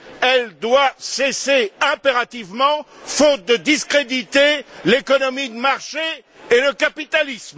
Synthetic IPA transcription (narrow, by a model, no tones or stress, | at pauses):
ɛld̪waseseɛ̃peʁat̪ivmɑ̃fot̪̚d̪əd̪iskχed̪it̪elekɔnɔmid̪əmaʁʃe | eləkapit̪alism